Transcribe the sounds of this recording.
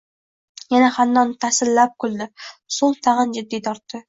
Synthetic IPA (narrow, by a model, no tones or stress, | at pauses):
janahanːɒnt̪ʰasɪlːap̚kʲʰʊld̪ɪsʊlˠt̪ʰaʁənd͡ʒɪd̪ːit̪ʰɒɾt̪ːɪ